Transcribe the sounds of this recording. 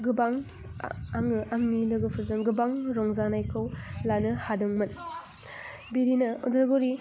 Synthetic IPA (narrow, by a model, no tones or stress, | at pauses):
ɡɯbaŋ | aŋɯaŋnilɯɡɯpʰɯɾzɯŋɡɯbaŋɾɔŋzanajkʰɯwlanɯhadɯŋmɐn | biɾinɐɔdɐɾɡoɾi